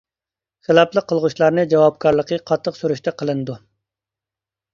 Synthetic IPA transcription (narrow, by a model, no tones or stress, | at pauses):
selˠɑplˠəqːəlˠʁuʃlˠɑɾnɨd͡ʒɑwɑp̚kʰɑɾlˠəqʰəqʰɑt̪ʰːəqsyɾyʃt̪ʰɛqʰəlˠɨnɨd̪u